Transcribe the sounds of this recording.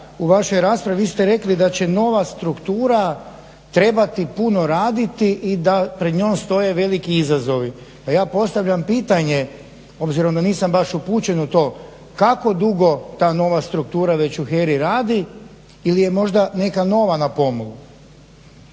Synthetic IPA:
uʋaʃo̞jɾaːspɾaʋiʋist̪eɾe̞klid̪at͡ɕe̞no̞ʋast̪ɾukt̪uːɾa | t̪ɾe̞bat̪ipuno̞ɾaːd̪it̪iʔid̪apɾed̪ɲo̞ːmst̪o̞je̞ʋe̞likiizazo̞ʋi | pajaːpo̞st̪aʋʎampiːt̪aɲe | o̞bziɾo̞md̪aniːsambaʃupuːt͡ɕe̞nut̪o̞ː | kako̞d̪uɡo̞t̪aːno̞ʋast̪ɾuk̚t̪uːɾaʋe̞t͡ɕuxeɾiɾaːd̪i | ilije̞mo̞ʒd̪ane̞kano̞ʋanapo̞molu

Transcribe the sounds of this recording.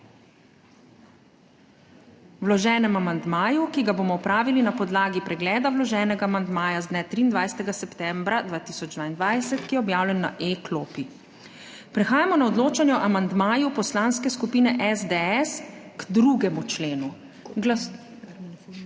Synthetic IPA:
wlɔʒɛːnɛmamand̪maːjukiɡaboːmɔɔpɾaːʋilinapɔd̪laːɡipɾɛɡlɛːd̪awlɔʒɛːnɛɡamand̪maːjazd̪nɛt̪ɾiːnd̪ʋajsɛ̥t̪ɛɡasɛpt̪ɛmbɾad̪ʋaːt̪isɔd͡ʒd̪vaːind̪ʋajsɛt̪kijɛɔbjaːwlʲɛnːa̰ʔekloːpi | pɾɛxaːjamɔnaɔd̪loːt͡ʃanjɛʔamand̪maːjupɔslanskɛskupiːnɛʔɛzd̪eɛsɡd̪ɾuɡɛmut͡ʃleːnu

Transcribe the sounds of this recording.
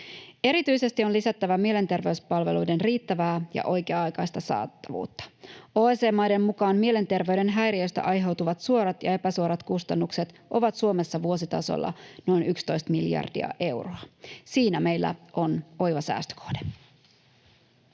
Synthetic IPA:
e̞ɾit̪yjse̞st̪io̞nlisæt̪ːæʋæmie̞le̞nt̪e̞rʋe̞ɥspɑlʋe̞̰lujde̞nriːt̪ːæʋæːjɑ̰ʔo̞jkeɑɑjkɑjst̪ɑsɑ̰ːt̪ːɑʋṵːt̪ːɑ̥oːese̞ːmːɑjde̞mːukɑːmmie̞le̞nt̪e̞rʋe̞yɾe̞nɦæjɾiøst̪æ̰ʔɑjɦe̞wt̪uʋɑt̪suo̞ɾɑt̪jɑ̰e̞pæsuoɾɑt̪kust̪ɑnːukse̞t̪ʔo̞ʋɑt̪suo̞me̞sːɑʋuo̞s̬it̪ɑ̰so̰lːɑ̰no̞jnʔykst̪o̞jst̪miljɑ̰rd̥ḭɑ̰ʔe̞wroɑsiːnæme̞jlːæ̰o̞no̞jʋɑsæ̰ːst̪ø̥kʰo̞̥hd̥e

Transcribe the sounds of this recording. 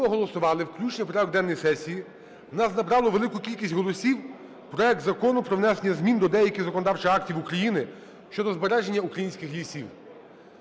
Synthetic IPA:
ɔɦɔlˠɔsʊʋɑlˠɪwklʲut͡ʃnɪpɾɔɛɔɡ̚d̪ɛnːɔjsɛsʲiji | nɑsnɐbɾɑlˠɔʋelˠɪkʊkʲilʲkʲisʲtʲɦɔlˠɔsʲiw | pɾɔɛk̚d̪zɐkɔnʊpɾɔʋnɛsenʲːɐzʲmʲind̪ɔd̪ɛjɐkʲɪzɐkɔnɔd̪ɑwt͡ʃɪxɑk̚tʲiwukɾɐjinɪ | ʃt͡ʃɔd̪ɔzbeɾɛʒenʲːɐukɾɐjinʲsʲkɪxlʲisʲiw

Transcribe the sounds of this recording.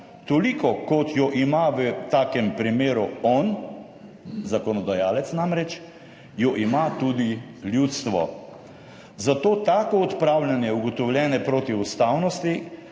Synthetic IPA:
t̪olikɔkɔt̪jɔʔimaʋət̪aːkɛmpɾimeːɾuɔn | zakɔnɔd̪ajaːlɛt̪snamɾɛt͡ʃ | jɔʔimat̪ud̪iljut̪st̪ʋɔ̰ | zat̪oːt̪aːkɔɔt̪pɾawlʲjanjɛuɡɔt̪ɔwlʲjɛːnɛpɾoːt̪iust̪awnɔst̪i

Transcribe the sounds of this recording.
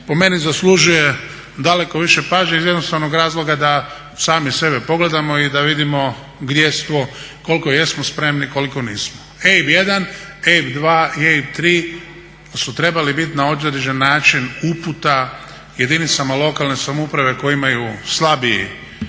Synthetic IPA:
po̞me̞nizaslˠuʒuje̞ | d̪ale̞ko̞ʋiʃe̞paːʒɲeizjed̪nost̪aʋnoɡɾaːzlˠo̞ɡad̪a | saːmise̞be̞po̞ɡle̞d̪amo̞id̪aʋid̪imo̞ | ɡd̪je̞st̪ʋoko̞lˠikoje̞smospɾe̞mniko̞likoniːsmoebje̞d̪anebd̪ʋaːieibt̪ɾiː | sut̪ɾe̞balibit̪naod̪eʒenːaːt͡ʃinuput̪a | je̞d̪init̪samalˠo̞kalˠne̞samoupɾaʋe̞kojimajuslˠabiḭ

